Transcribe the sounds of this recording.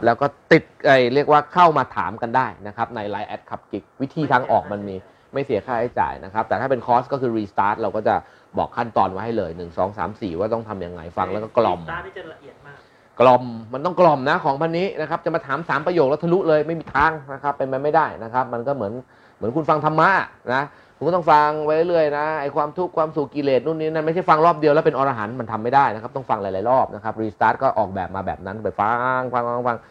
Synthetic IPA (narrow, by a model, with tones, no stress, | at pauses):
plɛː˦˥wkɔː˥˩t̪i˨˩t̪̚ʔa˧˩jɾi˥˩ək̚waː˥˩kʰa˥˩wmaː˧t̪ʰa̰ː˩˦mka˧ndaː˥˩jna˦˥kʰa˦˥p̚na˧jlaː˧jʔɛ˦˥t̪̚kʰa˨˩p̚ki˦˥k̚wi˦˥t̪ʰiː˧t̪ʰaː˧ŋʔɔ̰ː˨˩k̚ma˧nmiː˧ | ma˥˩jsi˩˦ɐkʰaː˥˩ha˥˩jt͡ɕa̰ː˨˩jna˦˥kʰa˦˥p̚t̪ɛː˨˩aː˥˩pe˧nkʰɔː˦˥skɔː˥˩kʰɯː˧ɾiː˧st̪aː˦˥t̪̚ɾa˧wkɔː˥˩t͡ɕa˨˩ | bɔ̰ː˨˩kʰːa˥˩nt̪ɔː˧nwa˦˥jha˥˩jlɤː˧jnɯ˨˩ŋsɔ̰ː˩˦ŋsa̰ː˩˦msiː˨˩waː˥˩t̪ɔ˥˩ŋt̪ʰa˧mja˧ŋːa̰˧jfa̰˧ŋlɛ˦˥wkɔː˥˩klɔ˨˧m˧a˧ʔi˨ətː | klɔ˧mːa˧nt̪ɔ˥˩ŋklɔ˨˩mna˦˥kʰɔː˩˦ŋpʰa˧nːiː˦˥na˦˥kʰa˦˥p̚t͡ɕa˨˩ʔmaː˧t̪ʰaː˩˦msaː˨˩˦mpɾa˧joː˨˩k̚lɛ˦˥wt̪ʰa˧lu˦˥ʔlɤː˧jma˥˩jmiː˧t̪ʰaː˦˥ŋna˦˥kʰa˦˥pːe˧npa˧jma˥˩jdaː˥˩jna˦˥kʰa˦˥p̚ma˧nkɔː˥˩mɯ˩˦ən | mɯ˩˦nkʰu˧nfa˧ŋt̪ʰa˧mːa˦˥na˦˥ | kʰu˧mkːt̪ɔ˥˩ŋfa˧ŋwa˦˥jɾɤ˥˩lɯ˥˩əjna˦˥ʔa˧˩jkʰwaː˧mt̪ʰu˦˥kʰwaː˧msu˨˩kkːi˧˩leː˨˩t̪̚nu˥˩nːiː˦˥na˥˩nma˥˩jt͡ɕʰa˥˩jfa˧ŋlɔː˥˩p̚di˧əwlɛ˦˥p̬e˧nʔɔː˧ʔaː˧ɦa̰ː˩˦nma˧nt̪ʰa˧mːa˥˩jdaː˥˩jna˦k̚ʰt̪ɔ˥˩ŋfa˧ŋla˧˦jlaː˨˦jɾɔː˥˩p̚na˦˥kʰa˦˥p̚ɾiː˧st̪aː˦˥t̪̚kɔː˥˩ʔɔː˨˩k̚bɛː˨˩p̚maː˧bɛ̰ː˨˩p̚na˦˥n˧˩a˧˩jfa˧ŋfa˧ŋfa˧˩ŋfa˧ŋ